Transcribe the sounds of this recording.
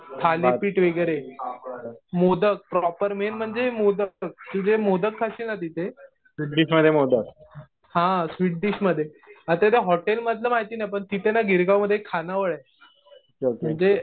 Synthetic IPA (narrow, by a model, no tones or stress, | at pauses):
t̪ʰalepiːʈʋeɡəɾe | mod̪ək̚pɾɔpəɾmenm̤əɳd͡ʑemod̪ək̚t̪ud͡ʑemod̪əkkʰaɕiːlnat̪it̪ʰe | sʋiʈɖiɕməd̪ʱːjemod̪ək | hãsʋiʈ̚ɖiɕməd̪ʱːje | at̪at̪eɦɔʈelməd̪ʱləmaɦt̪iːnajpəɳt̪it̪ʰenaɡʱiɾɡawməd̪ʱːeekʰːanaʋəɭa | okəɳd͡ze